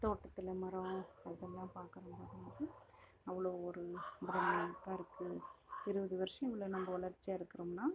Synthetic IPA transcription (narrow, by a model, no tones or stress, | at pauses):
t̪oːʈːɐt̪ːɪlɐmɐɾɐɐðɛlːãːpaːɾkɯɾɐmɐðɯmaːdi | ɐʋːɐɭoːɔɾɯmɾɐnɐkːaːɪɾɯkːɯɪɾɯbɐðɯʋɐɾɯʂɐ̃ɛʋɐɭoːnɐmbɐɔɭɐɾt͡ʃːiaːɪɾɯkːɯɾɐmnaː